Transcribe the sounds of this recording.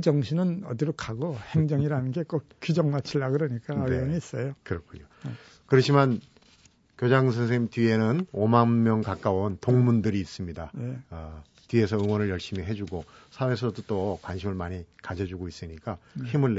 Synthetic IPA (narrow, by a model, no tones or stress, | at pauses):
id͡ʑʌŋɕʰinɯnʌ̰diɾokʰaɡohe̞ŋd͡ʑʌŋiɾanɯnɡe̞k͈ʌkud͡ʑʌŋmat͡ɕʰiɭːaɡɯɾʌɲik͈aʌneʌŋiːs͈ʌjokɯɾʌkʰuɲjo | kɯɾʌt͡ɕʰiman | kjod͡ʑaŋs̬ʰes̬ʰeŋtɥie̞nɯnomanmjʌŋkak͈auntoŋmundɯɾiːs͈ɯmɲidaje | tɥie̞sʰʌɯŋwʌnɯɭjʌɭɕ͈imiɦe̞d͡ʑuɡosʰawes̬ʰʌdot͈okwanɕʰimɯɭmaɲikad͡ʑʌd͡ʑuɡois͈ɯɲik͈açimuɭːe